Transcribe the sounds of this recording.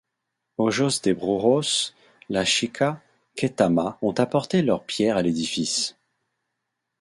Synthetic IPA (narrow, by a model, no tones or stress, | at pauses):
oʒosd̪ebʁuʁos | laʃikʰa | ket̪amaɔ̃t̪apɔʁt̪elœʁpjɛʁaled̪ifis